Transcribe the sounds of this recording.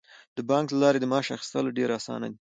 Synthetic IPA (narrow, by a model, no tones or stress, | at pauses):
d̪əbɑŋklalɑɾed̪əmɑʃaxi̥st̪əlɖeɾasɑ̰na̰d̪i